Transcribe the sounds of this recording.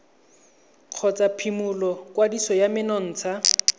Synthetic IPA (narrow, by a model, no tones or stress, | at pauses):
q͡χʰɔt͡sʼapʰimʊlɔkwadisɔjamɪnɔn̩ːt͡sʰa